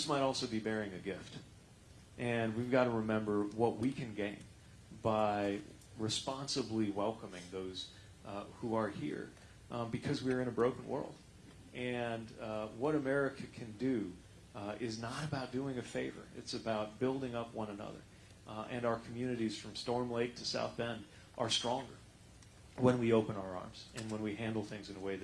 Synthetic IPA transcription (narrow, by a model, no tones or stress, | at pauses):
ðɪsmaɪɾɔlˠsoʊbibɛɹɪ̃ŋɨɡɪft | ʔɨ̃nwivɡɑɾəɹɨmɛ̃mbə˞wʌʔ̚wikʰɨ̃nɡẽɪ̃n | baɪ | ɹɨspɑ̃nsəbliwɛlˠkəmɪ̃ŋðoʊz̥ | huə˞hḭɹ | bɨkʰʌzwiə˞ɨ̃ñɨbɹoʊkn̩wɜ̰˞lˠd̥ | ʔɨ̃nwʌɾɨmɛɹɨkʰɨkʰɨ̃ndɨ | ɪznəɾɨbaʊt̚d̥ʉɪ̃ŋɨfeɪvə̰˞ɨ̰tsɨbaʊt̚b̥ɪlˠdɪ̃ŋʌpwʌ̃nɨnʌ̰ðə̰˞ | ʔɨ̃naʊə˞kʰmjʉnɨɾiz̥fɹʌ̃mstɔɹmleɪk̚tʰɨsa̰ʊθb̥ɛ̃n | ʔə˞stɹ̥ɔ̃ŋɡə˞ | wə̃nwioʊpə̃naʊə˞ɑ̰ɹmz̥ɨ̃nwə̃nwiɦæ̃ndˡl̩ˠθɪ̃ŋzɨ̃nəweɪð